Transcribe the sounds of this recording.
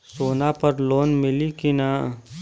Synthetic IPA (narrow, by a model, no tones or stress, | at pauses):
soːnapəɾloːnmɪlikina